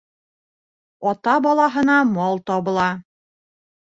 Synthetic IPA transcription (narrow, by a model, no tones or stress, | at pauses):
ɒt̪ɑbɒlˠɑɦɤ̆nɑmɒlˠt̪ɒβɤ̆lˠɑ